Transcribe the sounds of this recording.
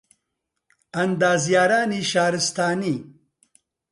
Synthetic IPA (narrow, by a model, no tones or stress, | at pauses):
ɐnd̪aːzjaːɾaːniʃaːɾist̪aːni